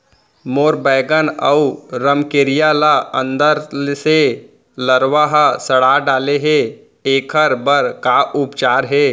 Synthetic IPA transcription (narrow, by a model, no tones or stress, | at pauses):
moːɾbəɪɡənəuɾəmkeɾijalaə̃nd̪əɾse | ləɾwaɦasəɽ̤aɖaːleɦe | eːkʰəɾbəɾkaʔʊpt͡ʃaːɾɦɛː